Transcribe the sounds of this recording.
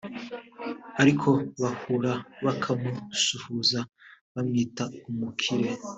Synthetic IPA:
aɾikʰo̞βahuɾaβakʰamusuhuzaβamŋiːtaumukʰiɾe̞

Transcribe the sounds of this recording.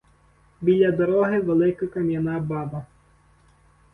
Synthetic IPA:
bʲilʲːɐd̪ɔɾɔɦɪʋelˠɪkɐkɐmʲjɐnɑbɑbɐ

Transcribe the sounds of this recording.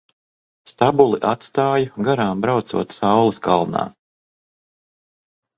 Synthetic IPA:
st̪abulˠiʔat̪st̪aːjaɡaɾaːmbɾawt̪sṵɔt̪sawlˠiskalˠna̰ː

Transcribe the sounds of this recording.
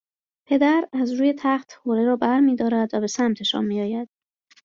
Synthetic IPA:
pʰe̞d̪æɾæzɾuːje̞t̪ʰæχt̪hoːɾeɾɒːbæɾmiːd̪ɒːɾæd̪væbe̞sæmt̪ʰe̞ʃɒ̰ːnmiːjɒːjæd̪̥

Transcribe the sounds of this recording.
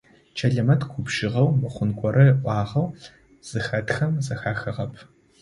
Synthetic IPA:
t͡ʃʰɐɮɐmɐtʰɡʷʰʊpʃɪʁɐwmɨχʷʊnkʷʼɔɾɐʔʷɑːʁɐw | z̥ɨxɐtxɐmzɐxaːxɐʁɐpʰ

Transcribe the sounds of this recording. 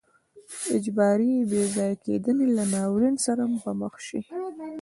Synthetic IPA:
ɪd͡ʒbɑɾibezɑjakḛd̪ənelanɑwɾinsaɾampaməxʃi

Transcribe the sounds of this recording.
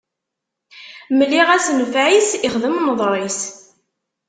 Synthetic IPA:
məlːiʁæsnfʕisiχðəmnəðˤɾˤis

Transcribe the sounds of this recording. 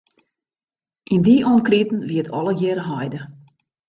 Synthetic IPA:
ʔindiʔɔnkritn̩ʋiətʰɔ̰ləɡjɪrɦɔjdə

